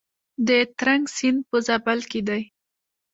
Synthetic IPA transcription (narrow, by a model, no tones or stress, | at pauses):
d̪ət̪ɾaŋɡsin̚pəzabalked̪aj